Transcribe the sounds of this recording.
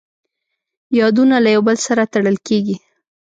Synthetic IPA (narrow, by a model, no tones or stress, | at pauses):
jɑd̪unalajawbəlsaɾat̪aɽəlkeɡi